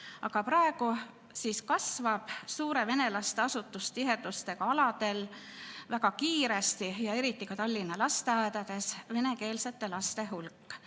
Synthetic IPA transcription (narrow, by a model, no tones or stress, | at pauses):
ɑɡ̥ɑpɾɑe̞ɡ̥u | siːskɑsvɑb̥suːɾe̞ve̞ne̞lɑst̪e̞ɑsut̪ːˑust̪iɦe̞d̪̥ust̪e̞kɑɑlɑd̪̥e̞lvæɡɑkiːɾe̞st̪ijɑe̞ɾit̪ˑːikɑt̪ɑlʲːinːɑlɑst̪e̞ɑːd̪ɑd̪̥e̞sve̞ne̞ke̞ːlse̞t̪ːˑe̞lɑst̪e̞ɦulkːˑ